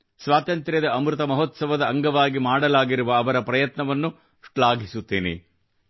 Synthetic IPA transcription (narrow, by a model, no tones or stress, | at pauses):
sʋaːt̪ɐnt̪ɾjɐd̪ɐɐmɾut̪ɐmɐɦot̪sɐʋɐd̪ɐːŋɡɐʋaːɡimaːɽɐlaːɡiɾuʋɐːʋɐɾɐpɾɐjɐt̪nɐʋɐnːu | ʂʈɭaːɡisut̪ːeːnḛ